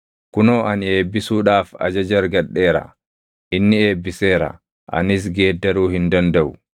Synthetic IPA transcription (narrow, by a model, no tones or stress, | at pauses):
kʊnoːʔɐneːbːɪsuːɗaːfɐ̰d͡ʒɐd͡ʒɐɾɡɐɗːeːɾɐ̰ | ʔɪnːɪeːbːɪseːɾɐ̰ | ʔɐ̰nɪs̬ɡeːd̪ːɐɾuːhɪnd̪ɐnd̪ɐwʊ